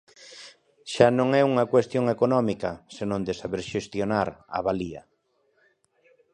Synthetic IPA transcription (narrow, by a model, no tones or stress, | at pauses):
ʃanõŋɛuŋɐkwest̪joŋekonɔmikɐsenõnd̪ɪsaβeɾʃest̪jonaɾa̰βaliɐ̰